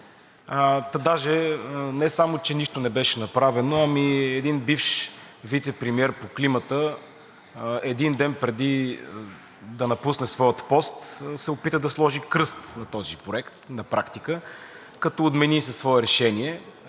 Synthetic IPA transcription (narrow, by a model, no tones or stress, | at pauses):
ət̪ɐd̪aʒɛnɛsamot͡ʃɛniʃt̪onɛbɛʃɛnɐpɾavɛnoɐmiɛd̪inbifʃ | vit̪sɛpɾɛmiɛɾpoklimət̪ə | ɛd̪ind̪ɛnpɾɛd̪i | d̪ɐnɐpusnɛsvɔjət̪pɔst̪sɛopit̪əd̪ɐslˠɔʒikɾɤst̪nɐt̪ɔzipɾoɛkt̪nɐpɾakt̪ikə | kɐt̪ɔːd̪mɛnisɐsːvɔɛɾɛʃɛniɛ